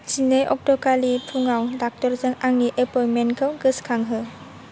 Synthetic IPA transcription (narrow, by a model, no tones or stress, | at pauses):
sinejʔɔ̰k̚tɔkalipʰuŋawdak̚tɔɾzɯŋaŋniʔepɔjmenkʰɯwɡɯskʰaŋɦɯ